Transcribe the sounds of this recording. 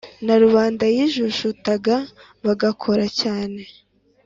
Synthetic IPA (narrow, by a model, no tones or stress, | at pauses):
naɾuβaːndajiʒuʃutaɡa | βaɡakʰo̞ɾacaːne̞